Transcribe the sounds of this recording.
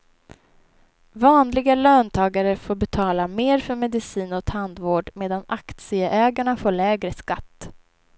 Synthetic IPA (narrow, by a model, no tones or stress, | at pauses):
vɑːnlɪɡaløːnt̪ʰɑːɡaɾəfoːɾbɛt̪ʰɑːlameːɾfœɾmɛd̪ɪsiːnɔt̪ʰhand̪voːɖmeːd̪anakt̪sɪəʔɛːɡaɳafoːɭɛːɡɾəskat̪ː